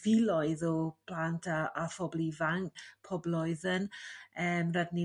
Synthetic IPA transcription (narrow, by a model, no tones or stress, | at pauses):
vilɔjðɔpʰlantʰaafɔblivaŋpʰɔblɔɨðənəːmradni